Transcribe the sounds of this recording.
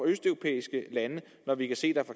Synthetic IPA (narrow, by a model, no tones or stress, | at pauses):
ɒ̈øsd̥œo̝pʰḛːisɡ̥əlænə | nɒʋikʰæse̝̰ːd̥æfɒ̈